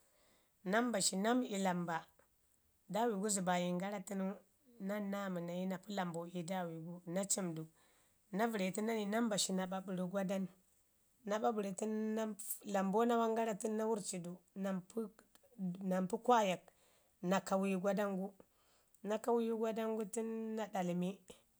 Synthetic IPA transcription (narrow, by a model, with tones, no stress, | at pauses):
na˦mba˨ʃi˨na˦mi˨la˨mba˨ | da˦wi˨ɡu˦zi˨ba˨ji˨ŋɡa˦ɾa˦ti˦nu˦ | na˦na˦mu˨na˨ji˦na˨pu˦la˨mbo˨i˨da˦˨wi˨ɡu˦na˦t͡ʃi˦mdu˨ | na˦vi˨ɾe˨ti˦na˦ni˨na˦mba˨ʃi˨na˨ɓa˨bu˨ɾi˨ɡʷa˦da˦nː | a˨ɓa˦bu˨ɾe˨ti˦nːa˦la˨mbo˦na˦wa˦ŋɡa˦ɾa˦ti˦nː˦a˦wu˦ɾt͡ʃi˨du˨na˨mp | na˨mpu˦kʷa˦ja˨k̚ | na˨ka˨wi˦ɡʷa˦da˦ŋɡu˦ | na˦ka˦wi˦ju˦ɡʷa˦da˦ŋɡu˦ti˦nːa˦da˨lmi˦